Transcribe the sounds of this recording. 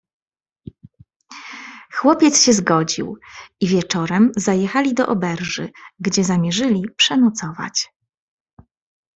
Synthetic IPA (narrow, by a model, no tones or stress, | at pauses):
xwɔpʲjɛt̪sɕɛzɡɔd͡ʑḭwivʲjɛt͡ʂɔɾɛmzajɛxalʲid̪ɔ̰ʔɔbɛɾʐɘɡd͡ʑɛzamʲjɛʐɘlʲipʂɛnut̪sɔva̰t͡ɕ